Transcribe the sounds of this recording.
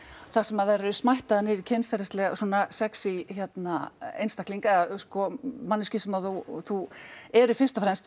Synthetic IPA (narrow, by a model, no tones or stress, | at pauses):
θasɛmaðaɾɛɾʏsmajht̪aðanɪɾicʰɛnfɛɾast̪lɛɣasuɔnasɛksiçjɛt̪naḛjnst̪ahkliŋkaɛðaskɔmanːɪscɪsɛmaθuθuɛɾʏfɪn̥st̪ɔfɾɛnst̪